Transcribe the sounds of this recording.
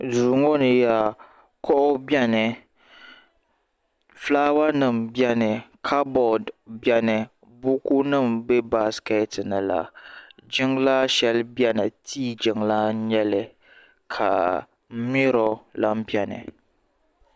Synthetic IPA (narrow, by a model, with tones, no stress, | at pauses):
zuː˨ŋo˦nɨ˨ja˨ | kɔ˦ʔʊ˦bjɛ˦nɨ˨ | flaː˦wa˦nɨ˦˨mbɛ˦nɨ˨kʰa˦bɔ˨dbjɛ˦nɨ˨ | bu˦ku˦nɨ˦˨mbɨ˦ba˦ske˦˨˦tɨ˨nɨ˨la̰˨d͡ʒɪ˦ŋla˦ʃɛ˦lbjɛ˦nɨ˨tʰiː˦d͡ʒɪ˨ŋla˦ɲɛ˦lɨ˨ | kʰa̰˨˦ | mi˦ɾo˨la˦m˦bi˦ɛ˨nɨ̰˨